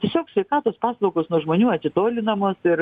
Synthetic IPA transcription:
tʲiɛsʲoːksʲʋʲɛɪkɑːt̪oːspɑːslˠɐʊkoːsnuɔʒmoːnʲuːɐt̪ʲɪt̪oːlʲɪnɐmoːsɪɾ

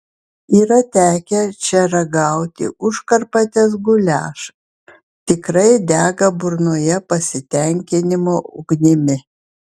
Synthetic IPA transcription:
iːɾɐt̪ʲæːkʲɛt͡ʃʲɛɾɐɡɐˑʊt̪ʲɪ̰ʔʊʃkɐɾpɐt̪ʲɛsɡʊlʲæːʃ | t̪ʲɪkɾɐɪd̪ʲæːɡɐbʊɾnoːjɛpɐsʲɪt̪ʲɛŋʲkʲɪnʲɪmoːʔʊɡnʲɪmʲɪ

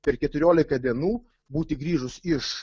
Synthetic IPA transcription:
pʲɛɾkʲɛt̪ʊɾʲoːlʲɪkɐd̪ʲiɛnuː | buːt̪ʲɪɡɾʲiːʒʊsɪʃ

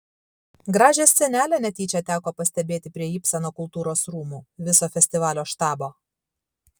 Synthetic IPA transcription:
ɡɾɑːʒʲeːsːʲɛnʲæːlʲɛnʲɛt̪ʲiːt͡ʃʲɛt̪ʲæːkoːpɐsʲt̪ʲɛbʲeːt̪ʲɪpʲɾʲiɛiːpʲsʲɛnoːkʊlˠt̪uːɾoːsɾuːmuːʋʲɪsoːfʲɛsʲt̪ʲɪʋɑːlʲoːʃt̪ɑːboː

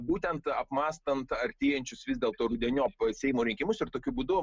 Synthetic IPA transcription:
buːt̪ʲɛnt̪ɐpmɑːst̪ɐnt̪ɐɾʲt̪ʲeːjɛnʲt͡ʃʲʊsʋʲɪzd̪ʲeːlˠt̪oːɾʊd̪ʲɛnʲoːpsʲɛɪmoːɾʲɪŋʲkʲɪmʊsɪrt̪oːkʲʊbuːd̪ʊ

